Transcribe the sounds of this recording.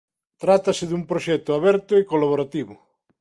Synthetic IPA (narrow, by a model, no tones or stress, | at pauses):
t̪ɾat̪asɪðumpɾoʃɛt̪ʊaβɛɾt̪ʊekolaβoɾat̪iβʊ